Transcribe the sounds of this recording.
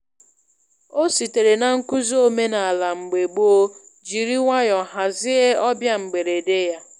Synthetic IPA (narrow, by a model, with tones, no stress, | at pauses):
o˦si˨te˨ɾe˨na˨ŋ̩˦ku˦zo˦me˦na˨a˨la˨ŋ͡m̩˨ɡ͡be˨ɡ͡bu˦o˦ | d͡ʒi˨ɾi˦ŋʷa˦jɔ˨ɦa˨zɪ˦e˦ɔ˦bja˦ŋ͡m̩˨ɡ͡be˨ɾe˨de˦ja˦